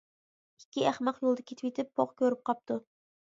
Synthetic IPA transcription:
ikʲːiæχmɑqjolˠd̪ɐkʲʰet̪ʰɪ̥wʲet̪ʰɪpːʰoqkʲʰøɾyp̚qʰɑp̚t̪ʰu

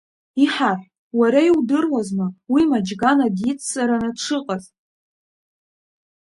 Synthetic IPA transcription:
iħaħʷ | waɾaiwdɨrwazmawimad͡ʒɡanadit͡sʰːsaɾanɨdʈ͡ʂʰɨqʼazʼ

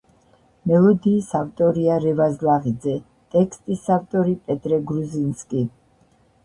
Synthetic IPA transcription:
mɛlˠɔd̪iːsaft̪ʼɔɾiaɾɛvazlˠaʁid̪zɛ | t̪ʼɛkʰst̪ʼisaft̪ʼɔɾipʼɛt̪ʼɾɛɡɾuzinskʼi

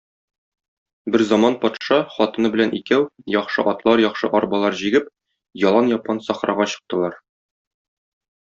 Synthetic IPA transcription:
bɘɾzɒmɑnpɒt̪ʃɑχɒt̪ɤ̆nɤbɘ̆lænʔikæwjɒχʃɤ̰ʔɒt̪lˠɑɾjɒχʃɤ̰ʔɒɾbɑlˠɑɾʑiɡɘp̚ | jɒlˠɑnjɒp̚qɑnsɒχɾɑʁɑɕɤ̆q̚t̪ɤ̆lˠɑɾ

